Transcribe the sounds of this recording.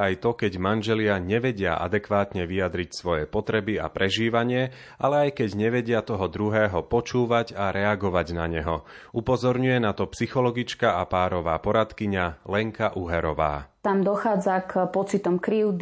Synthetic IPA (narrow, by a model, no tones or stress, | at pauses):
ajt̪ɔkɛɟmanʒɛlɪaɲɛʋɛɟɪa̰ʔa̰d̪ɛkʋaːt̪ɲɛʋijad̪ɾicsʋɔjɛpɔt̪ɾɛbia̰pɾʔɛʒiːʋaɲɪɛ | ʔalɛajkɛɟɲɛʋɛɟɪat̪ɔɦɔd̪ɾuɦɛːɦɔpɔt͡ʃuːʋaɟaɾɛaɡɔʋaɟnaɲɛɦɔ | upɔzɔɾɲujɛnat̪ɔpsixɔlɔɡit͡ʃkaʔapaːɾɔʋa̰ːpɔɾat̪kiɲalɛŋkaʔuɦɛɾɔʋa̰ːt̪amd̪ɔxaːd͡zakpɔt͡sit̪ɔmkɾiːʊd̪